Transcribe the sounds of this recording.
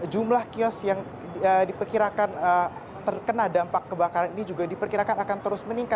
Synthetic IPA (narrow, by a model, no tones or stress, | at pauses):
d͡ʒumlahkiɔsjaŋ | ədipərkiɾakanə | t̪ərkənaldampakːəbakaɾaninid͡ʒuɡadipərkiɾakanakant̪əɾʊsməniŋkat